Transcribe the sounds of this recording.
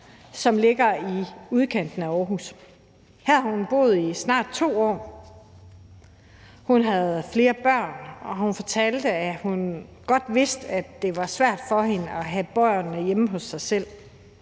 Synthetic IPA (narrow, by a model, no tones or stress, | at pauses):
sɒ̽mle̝ɡ̥ɐiuð̞ˠkʰen̰d̥n̩æɒːɦus | hæɐɐhunb̥o̝̰ːð̞̩ˠisnɑ̰̈ːd̥̚t͡sʰo̝̰ːɒ̰ː | hunɦæð̞ˠfle̝ːɐb̥ɶɐ̰nɒ̽ɦunfɒ̽t͡sʰɛld̥əæhunɡ̥ɒ̽d̥ʋe̝sd̥æd̥e̝ʋɑ̈sʋæɐ̰d̥fɒ̽ɦe̝nəɒ̽ɦæb̥ɒɪ̰ɐnəjeməɦɔ̽sːɑ̈ɪsel̰